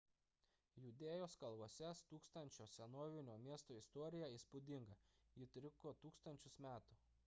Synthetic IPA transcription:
jʊd̪ʲeːjoːskɐlˠʋoɔsʲɛst̪uːkst̪ɐnʲt͡ʃʲoːsʲɛnoːʋʲɪnʲoːmʲiɛst̪oːɪst̪ɔːɾʲɪjæiːˑspʊd̪ʲɪŋɡɐjɪt̪ʲɾʲɪkoːt̪uːkst̪ɐnʲt͡ʃʲʊsmʲæːt̪ʊ

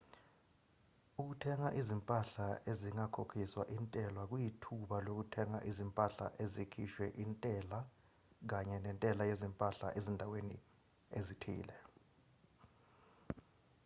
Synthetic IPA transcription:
uk̬utʰɛŋaʔizimpʼaɬaeziŋakʰokʰiswa̰ʔintʼɛlwak̬ujitʰuɓalok̬utʰɛŋa̰ʔizimpʼaɬa̰ʔezikʰiʃwɛʔintʼɛla | k̬aɲɛnɛntʼɛlajezimpʼaɬa̰ʔezindʱawenḭ | ezitʰḭːlɛ

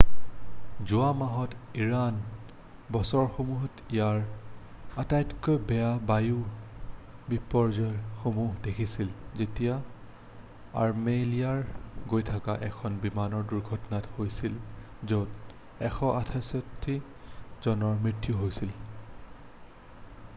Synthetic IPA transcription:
zuamaɦɔtiɹan | bɔsɔɹxomuɦɔtijaɹ | atajtkojbɛjabaju | bipɔɹzɔjxomuɦdekʰisilzetija | a̰ɹmeliaɹɡojtʰakaʔɛkʰɔnbimanɔɹduɹɡʱɔtɔnathojsil | zot | ɛxɔʔatʰasotʰːi | zɔnɔɹmɹitjuɦojsil

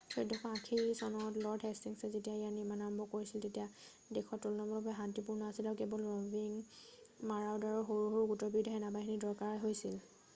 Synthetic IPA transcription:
sɔjdʱɔkʰɔakʰisɔnɔtlɔɹdɦɛstiŋsɛzetijaijanimanambɔkoɹisiltetija | dekʰɔtːulnɔmɔlɔbɔɛɦantipuɹnaasilawkebɔlɔbiŋ | maɹawdaɹɔɹxoɹuɦɔɹɡutɔbidʱaɦɛnabaɦinidɔɹkaɹɦojsil

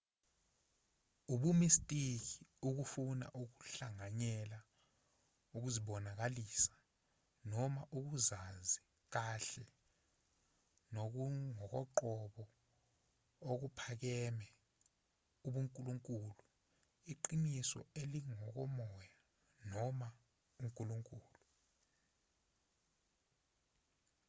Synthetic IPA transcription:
uɓumistʼik̬iuk̬ufuna̰ʔuk̬u̥ɬaŋaɲɛla | uk̬uziɓɔnak̬alisḁ | nɔmaʔuk̬uzazi | k̬aɬɛ | nok̬uŋɔk̬ɔǃɔɓɔ | ok̬upʰak̬ɛmɛ | uɓuŋkʼuluŋkʼulu | iǃinisɔ̰eliŋɔk̬ɔmɔja | nɔma | uŋkʼuluŋkʼuːlu

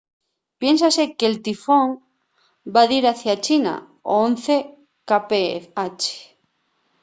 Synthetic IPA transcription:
pjensasekelt̪ifoŋ | baðiɾaθjat͡ʃina̰ | oonθe | kapeat͡ʃe̥

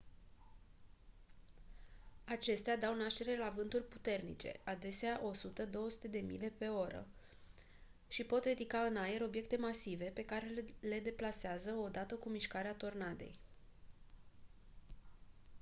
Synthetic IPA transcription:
at͡ʃe̞st̪ead̪awnaʃt̪e̞ɾe̞lavɨnt̪urʲput̪e̞rnḭt͡ʃe̞̰ʔad̪e̞seaʔo̞sut̪əd̪o̞wəsu̥t̪e̞d̪e̞mḭle̞pe̞o̞ɾə̰ | ʃipo̞t̪rid̪ikaɨnaje̞ɾo̞bje̞kt̪e̞masive̞pe̞kaɾe̞le̞d̪e̞plaseazəo̞d̪at̪əkumiʃkaɾeat̪o̞rnad̪e̞̰j

